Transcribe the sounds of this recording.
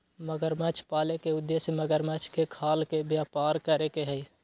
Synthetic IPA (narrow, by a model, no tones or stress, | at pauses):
məɡəɾmɛt͡ʃʰpaːlekeʊd̪ːesjəməɡəɾmɛt͡ʃʰkekʰaːlkebjaːpaːɾkəɾekeɦəi